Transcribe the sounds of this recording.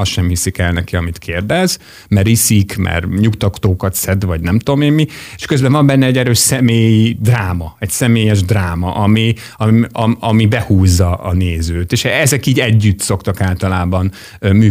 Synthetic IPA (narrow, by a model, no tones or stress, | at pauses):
ɒʃɛmhisikɛlnɛkiɒmit̪kʰeːrd̪ɛz | mɛrisikmɛ̰rɲukt̪ɒkt̪oːkɒt̪sɛd̪ʋɒɟnɛmt̪uomeːmːie̥ʃkøzbɛɱvɒmbɛnːɛɛɟɛɾøːʃsɛmeːjid̪raːmɒɛcsɛmeːjɛʒd̪raːmɒ̰ʔɒmi | ɒɒɒmibɛhuːzːɒ̰ːneːzøːt̪eːʃɛzɛkiːɟɛɟːyt̪so̞kt̪ɒkaːlt̪ɒlaːbɒn | ømyː